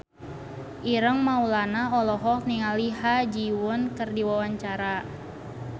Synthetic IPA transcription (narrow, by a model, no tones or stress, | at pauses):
ʔiɾəŋmaulanaɔlɔɦɔkniŋaliɦad͡ʒiwʊnkərdiwawaɲt͡ʃaɾa